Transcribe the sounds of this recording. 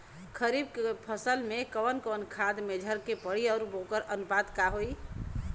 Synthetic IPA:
kʰəɾibkpʰəsəlmekəʋənkɔnkʰad̪med͡ʒʱəɾkepəɽiɔːɾbokəɾənubad̪kaɦoi

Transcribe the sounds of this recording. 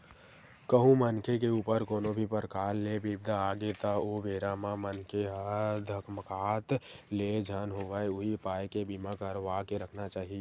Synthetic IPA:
kəɦũmənkʰekeuːpəɾkoːnobʱipəɾkaːɾlebibd̪ʱaaːɡet̪aobeːɾamãmənkʰeɦd̪ʱəkməkaːt̪led͡ʒʱənɦoʋaeʊɦipaːjkebimakəɾʋakeɾəkʰnat͡ʃaːɦie

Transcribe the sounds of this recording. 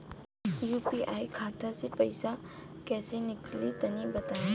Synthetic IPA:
jupiʔajkʰat̪ʰasepəjsa | kɛsenɪklit̪ɐnibət̪ae

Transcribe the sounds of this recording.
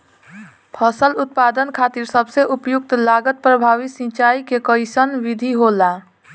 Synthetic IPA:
pʰəsəlʊt̪̚pad̪ənkʰat̪iɾsəbʱseʔupjuk̚t̪laɡət̪̚pɾəbʱaʋisĩt͡ʃaikekəɪsənʋid̪ʱiɦola

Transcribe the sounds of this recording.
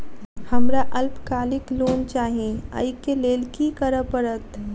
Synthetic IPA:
hɐmɾaʔɐlpkaːlɪkloːnt͡ʃaːɦĩə̰ɪkeleːlkikəɾəpəɾət̪

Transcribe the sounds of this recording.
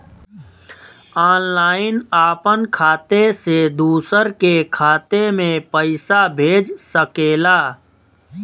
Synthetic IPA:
aːnlaːɪnaːpənkʰaːt̪esed̪uːsəɾkekʰaːt̪emẽpəɪsabʱeːd͡ʒsəkeːlaː

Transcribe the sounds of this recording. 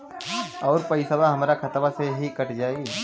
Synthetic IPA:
ɔːɾpɐɪsəbaɦɐmɾakʰɐt̪baseɦikɐʈd͡ʒaːi

